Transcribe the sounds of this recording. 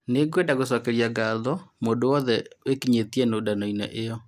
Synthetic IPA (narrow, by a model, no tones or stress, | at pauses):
neɡwendaɣos̬ɔkɛɾiaɡaðɔmondowɔðɛwekiɲetiɛnodanɔinɛ̰ʔejɔ